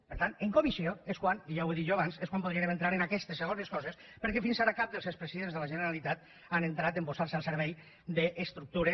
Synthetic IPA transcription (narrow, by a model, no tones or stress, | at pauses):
pəɾt̪aneŋkomisjoeskwaniʒaweðit̪ʒoaβanseskwampouð̞ɾienement̪ɾaɾenakɛst̪esːeɣoneskɔzes | pəɾkɛfinsaɾakap̚d̪əlˠsewspɾesiðenzðəlaʒənəɾalit̪at̪ | anent̪ɾat̪emposaɾsalˠseɾβ̞ɛj | d̪əʔːst̪ɾuk̚t̪uɾe